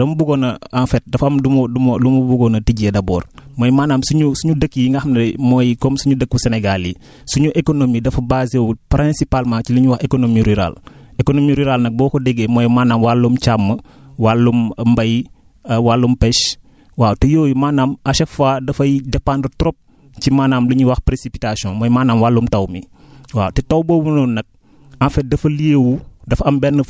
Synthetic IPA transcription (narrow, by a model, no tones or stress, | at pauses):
dɐmubuɡonɐanfɛt̚dɐfɐmdumodumodumubuɡonɐtiɟedɐboːɾmoːjmaːnaːmsuɲusuɲudəkːiiŋɡahmnmojikomsuɲudəkːuseneɡali | suɲuʔekonomidɐfɐbaziopɾĩnsipalmat͡ʃiliɲuwahekonomiɾiɾa̰lekonomiɾiɾalnɐk̚bɔːkodeɡemoːjimaːnamwalːumt͡ʃamːə | walːummbɐji | walːumpɛʃ | waːtejoːjimaːnaːmɐʃɛfaːdɐfɐjdɛpandətɾop̚ | t͡ʃimaːnaːmliɲuwɐxpɾesipitasiɔ̃mojmaːnaːmwalːumtɐwmḭwaːtɛtɐwbowunonɐk̚ | ɐ̃fɛdɐfɐliewudɐfɐmbɛnːə